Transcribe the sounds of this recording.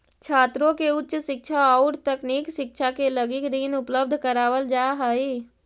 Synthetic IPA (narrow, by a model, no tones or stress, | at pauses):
t͡ʃʰaːt̪ɾõkeʊtːʃʃɪk̚t͡ʃʰaɔːɾt̪əkniːkʃɪk̚t͡ʃʰakeləɡikɾiːnʊpləb̚d̪ʱkəɾaːʋəld͡ʒaɦəi